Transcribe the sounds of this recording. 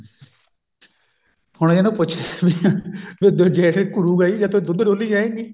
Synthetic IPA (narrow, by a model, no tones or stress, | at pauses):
hʊɽeːnũːpʊt͡ʃʰːʋiʋɪd̪od͡ʒɛːʈːkʊɽuːɡaiːd͡ʒãːt̪oːd̪ʊd̪ɖoːliːd͡ʒaːẽːŋɡiː